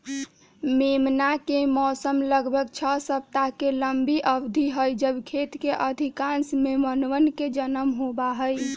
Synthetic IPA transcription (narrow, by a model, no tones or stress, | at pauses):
memnakemɔsəmləɡbʱəɡt͡ʃʰəsəb̚t̪akeləmbiʔəbd̪ʱiɦəjd͡ʒəbkʰet̪keʔəd̪ʱikãnsmemənʋənked͡ʒənəmɦobaɦəj